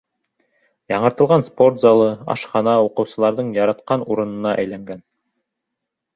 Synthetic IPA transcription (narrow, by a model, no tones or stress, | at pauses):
jɑɴɤ̆ɾt̪ɤ̆lˠʁɑnspo̞rt̪zɑlˠɤɑ̰ʃχɑnɑuqɤ̆wsɤ̆lˠɑɾðɤɴjɑɾɑt̪qɑnuɾɤ̆nɤ̆nɑʔæ̰jlæŋɡæn